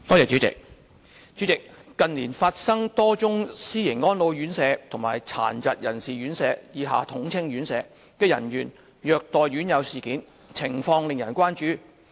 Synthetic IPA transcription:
t̪ɔː˥˩ɛː˨t͡ʃyː˨˥t͡sɪ̰˨k̚ | t͡ʃyː˨˥t͡sɪ˨kːɐ˨nliː˨˩nfaː˧t̚sɐ˥ŋt̪ɔː˥t͡sʊ˥ŋsiː˥jɪ˨˩ŋɔː˥nlo˨˧wjyː˨˥nsɛː˨˧t̪ʰʊ˨˩ŋma̰ː˨jt͡sʰa̰ː˨˩nt͡sɐ˨t̚jɐ̰˨˩nsiː˨ɥyː˨˥nsɛː˨˧jiː˨˧ɦa̰ː˨˧t̪ʰʊ˨˥ŋt͡sʰɪ˥ŋɥyː˨˥nsɛː˨˧ | kɛː˧jɐ̰˨˩nɥyː˨˩n | jœː˧k̚t̪ɔː˨jɥyː˨˥njɐ˨˧wsiː˨˩kiː˨˥n | t͡sʰɪ˨˩ŋfɔː˧ŋlɪ˨ŋjɐ̰˨˩nkʷaː˥nt͡ʃyː˨˥

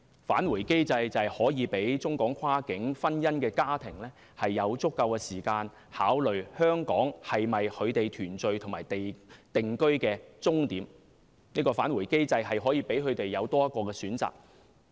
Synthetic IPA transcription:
fa̰ː˨˥nwu˨˩jke˥jt͡sɐ˧jt͡sɐ˨jhɔː˨˥jiː˨˧pe˨˥jt͡sʊ˥ŋkɔː˨˥ŋkʰaː˥kɪ˨˥ŋfɐ˥njɐ˥nkɛː˧kaː˥t̪ʰɪ˨˩ŋlɛː˥ | hɐ˨jːɐ˨˧wt͡sʊ˥kːɐ˧wkɛː˧siː˨˩kaː˧n | haː˨˥wlɵ˨ɥhœː˥ŋkɔː˨˥ŋhɐ˨jmɐ˨jkʰɵ˨˧ɥt̪e˨jt̪ʰyː˨˩nt͡sɵ˨ɥt̪ʰʊ˨˩ŋmaː˨˩jt̪e˨jt̪ɪ˨ŋkɵ˥ɥkɛː˧t͡sʊ˥ŋt̪iː˨˥m | niː˥kɔː˧faː˨˥nwu˨˩jke˥jt͡sɐ˧jɦɐ˨jɦɔː˨˥jiː˨˧˥pe˨˥jkɵ˨˧ɥt̪e˨jːɐ˨˧wt̪ɔː˥jɐ˥t̚kːɔː˧kɛː˧syː˨˥nt͡sa̰ː˨k̚

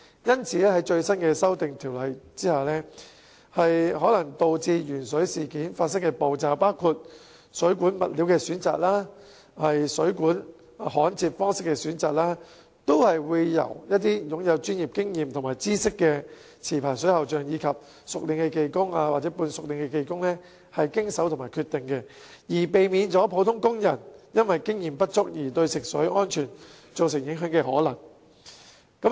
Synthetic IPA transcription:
jɐ˥nt͡sʰiː˨˥lɛː˥hɐ˨˥jt͡ʃɵ˧ɥsɐ˥nkɛː˧sɐ˥wt̪ɪ˨ŋt̪ʰiː˨˩wlɐ˨˩jt͡siː˥haː˨lɛː˥ | hɐ˨jhɔː˨˥lɐ˨˩ŋt̪o˧wt͡siː˧jyː˨˩nsɵ˨˥ɥsiː˨kiː˨˥nfaː˧t̚s̬ɐ˥ŋkɛː˧po˨˧wt͡saː˨˩wpaː˥wkʰuː˧t̚ | sɵ˨˥kuː˨˥nmɐ̰˨t̚liː˨˥wkɛː˧syː˨˥nt͡sa̰ː˨k̚laː˥ | hɐ˨jsɵ˨˥ɥkuː˨˥n˨ | hɔː˨˥nt͡sʰiː˧t̚fɔː˥ŋsɪ˥kːɛː˧syː˨˥nt͡saː˨k̚laː˥ | t̪o˥whɐ˨jwuː˨˧jːɐ̰˨˩wjɐ˥t̚t̪ːiː˥jʊ˨˥ŋjɐ˨˧wt͡ʃyː˥njiː˨p̚kɪ˥ŋjiː˨mt̪ʰʊ˨˩ŋmaː˨˩jt͡siː˥sɪ˥kːɛː˧ | t͡sʰiː˨˩pʰaː˨˩jsɵ˨˥ɥhɐ˨wt͡ʃœː˨ŋjiː˨˧kʰɐ˨p̚ | sʊ˨k̚lɪ˨ŋkɛ˧ke˧jkʊ˥ŋaː˧waː˨t̚t͡sɛ˨˥puː˧nsʊ˨k̚lɪ˨ŋkɛ˧ke˨˧jkʊ˥ŋlɛː˥ | hɐ˨jkɪ˥ŋsɐ˨˥wt̪ʰʊ˨˩ŋmaː˨jkʰyː˧t̪ːɪ˨ŋkɛ˧ | jiː˨˩pe˨jmiː˨˧nt͡sɔː˨˥pʰo˨˥wt̪ʰʊ˥ŋkʊ˥ŋjɐ˨˩njɐ˥nwɐ˨jkɪ˥ŋjiː˨mpɐ˥t̚t͡ʃʊ˥k̚jiː˨˩t̪ɵ˧ɥsɪ˨k̚sɵ˨˥ɥɔː˥nt͡ʃʰyː˨˩n | t͡so˨ws̬ɪ˨˩ŋjɪ˨˥ŋɦœː˨˥ŋkɛː˧hɔː˨˥lɐ˨˩ŋ | kɐ˨˥m

